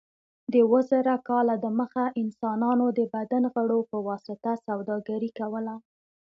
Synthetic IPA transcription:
d̪əwəzaɾakɑlad̪əməxaʔɪnsɑnɑnod̪əbad̪anɣəɽopəwɑsɪt̪asawd̪ɑɡaɾikawəla

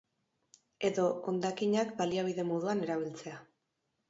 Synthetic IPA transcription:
e̞ðo̞ond̪akiɲakbaliaβ̞iðe̞mo̞ðuane̞ɾaβilt͡se̞a

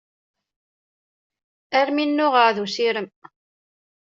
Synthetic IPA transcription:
æɾminːʊʁəʕðusiɾəm

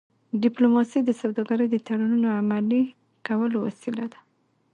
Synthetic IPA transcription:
ɖɪplomɑsid̪əsawd̪ɑɡaɾəjd̪ət̪aɽanunoamali | kawəlowa̰silad̪ḁ

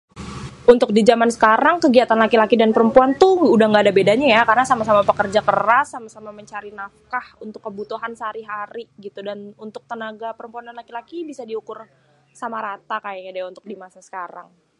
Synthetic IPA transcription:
ʔunt̪ʊk̚did͡ʒamansə̥kaɾaŋkəɡiat̪anlakilakidanpəɾəmpuant̪ʊudahŋɡaːdabedaɲajakarnasamasamapəkərd͡ʒakəɾasːamasamaməɲt͡ʃaɾinafkahunt̪ʊkːəbut̪uɦansaɾiɦaɾiɡit̪udanunt̪ʊk̚t̪ənaɡapəɾəmpuananlakilakibisadiukʊr | samaɾat̪akajaadiaunt̪ʊ̥k̚dimasasə̥kaɾa̰ŋ

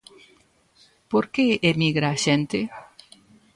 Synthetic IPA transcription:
poɾkeemiɣɾaʃent̪e

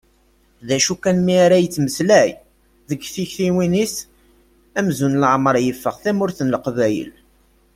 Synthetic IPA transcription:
ðæʃukænmiaɾæjət͡sːməslæj | ðəɡθiçθiwinis | æmzunlʕməɾˤjəfːəʁθæmʊɾθənləqvæjə̰l

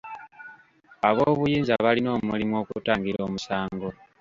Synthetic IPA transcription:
aβo̞ːβujiːnzaβalino̞ːmulimwo̞ːkutaːŋɡiɾo̞ːmusaːŋɡo̞

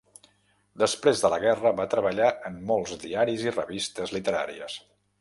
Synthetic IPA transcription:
d̪əspɾezðələɣɛrəβat̪ɾəβəʎaəmːɔlˠzd̪iaɾizirəβist̪əzlit̪əɾa̰ɾḭə̰s

